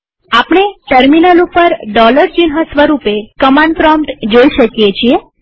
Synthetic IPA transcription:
apɳ̃eʈəɾminəlupəɾɖɔləɾd͡ʒinɦasʋəɾupekəmãɳɖ̚pɾɔmʈd͡ʒoiʃəkjet͡ʃʰie

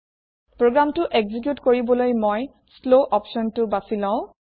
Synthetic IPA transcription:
pɹoɡɹamtʊʔeɡzik̬jutkoɹibɔlojmoj | sloʔɔpʃɔntʊbasilɔ̃ʊ̃

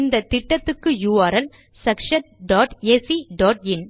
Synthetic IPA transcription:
nd̪ɐt̪ɪʈːɐt̪ːɯkːɯjuːʋaːɾɐl | sɐkʂɐnɖaːʈeːsiɖaːʈɪn

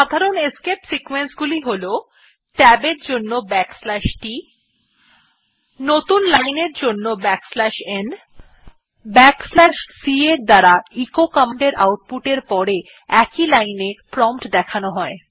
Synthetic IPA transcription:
ʃad̪ʱaɾoneskepsikwensɡuliɦolo | ʈɛbeɾd͡ʑonːobɛkslɛʃʈi | not̪unlajneɾd͡ʑonːobɛkslɛʃen | bɛkslɛʃsieɾd̪aɾaikokameɳɖeɾa̰wʈ̚puʈeɾpɔɾe | ɛkilajnepɾɔmpʈd̪ɛkʰanoɦɔe

